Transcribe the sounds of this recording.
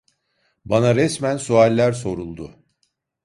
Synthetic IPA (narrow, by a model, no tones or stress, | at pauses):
banaɾɛsmænsualʲːæɾso̞ɾulˠd̪ʊ